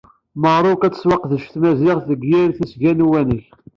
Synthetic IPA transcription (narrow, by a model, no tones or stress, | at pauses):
məʁɾˤʊkæt͡sːə̥swɑqðəʃθmæzɪʁθəɡjɪɾθæsʝænwænəç